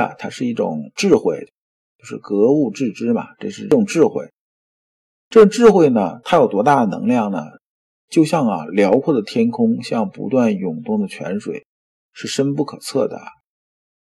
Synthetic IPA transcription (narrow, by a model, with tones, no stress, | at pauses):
a̰˨t̪ʰa˥ʂɻ̩˥˧i˥˩ʈ͡ʂʊ̰˨˩ŋʈ͡ʂɻ̩˥˧xwe˥˩ɪ | t͡ɕjo˥˧ʊʂɻ̩˥˩kɤ˧˥u˥˧ʈ͡ʂɻ̩˥˩ʈ͡ʂɻ̩˥mɐ̰˨ʈ͡ʂɤ˥˧ʂɻ̩˥˧˥ʈ͡ʂʊ˨˩ŋʈ͡ʂɻ̩˥˧xwe˥˩ɪ | ʈ͡ʂɤ˥˩ʈ͡ʂʊ˨˩ŋʈ͡ʂɻ̩˥˧xwe˥˩ɪnə˩t̪ʰa˥jo˨˩ʊt̪wɔ˧˥t̪a˥˩d̪ə˩nɤ̰˧˥ŋljɑ˥˩ŋnə̰˩ | t͡ɕjo˥˧ʊɕjɑ˥˩ŋɐ̰˨˩ljɑ˧˥ʊkʰwɔ˥˩d̪ə˩t̪ʰjɛ˥nkʰʊ˥ŋɕjɑ˥˩ŋpṵ˧˥t̪wa˥˩njʊ˨˩ŋt̪ʊ˥˩ŋd̪ə˩t͡ɕʰɥɛ̰˧˥nʂwḛ˨˩ɪ | ʂɻ̩˥˩ʂə˥npu˥˩kʰɤ˨˩t͡sʰɤ˥˩d̪ə̰˩ɐ̰˩